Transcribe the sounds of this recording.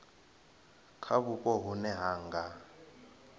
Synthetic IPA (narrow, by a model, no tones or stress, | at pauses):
kʰaβukʼɔɦunɛɦaːŋɡa